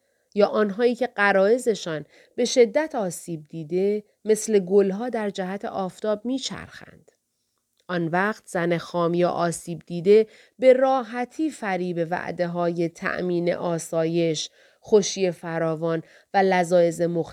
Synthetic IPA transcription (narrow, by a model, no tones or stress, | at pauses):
jɒːʔɒːnɦɒːiːcʰe̞ɢæɾɒːe̞ze̞ʃɒːn | b̥e̞ʃe̞d̪ːæt̪ʰɒːsiːb̚d̪iːd̪e̞ | me̞sle̞ɡolɦɒːd̪æɾd͡ʒæɦæt̪ʰḛʔɒːft̪ɒːb̚miːt͡ʃʰæ̰ɾxæ̰nd̪̥ | ʔɒnvæχt̪ʰz̥ænexɒːmjɒ̰ːʔɒːsiːb̚d̪iːd̪e̞ | be̞rɒːɦæt̪ʰiːfæɾiːbe̞væ̰ʔd̪e̞ɦɒːje̞t̪ʰæ̰ʔmiːnḛʔɒːsɒːje̞ʃ | xoʃiːje̞fæɾɒːvɒːn | vælæzɒːe̞ze̞mox